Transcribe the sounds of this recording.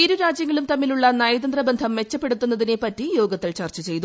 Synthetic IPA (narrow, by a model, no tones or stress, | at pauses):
iɾuɾaːd͡ʑjɐŋːɐlumt̪ɐmːiluɭːɐnɐːjɐd̪ɐnd̪rɐbend̪ʱɐmːe̞t͡ɕːɐpːe̞ɽut̪ːunːɐðinepɐtːijo̞ːɡɐt̪ːɐlt͡ɕɐːrt͡ɕɐt͡ɕe̞jt̪u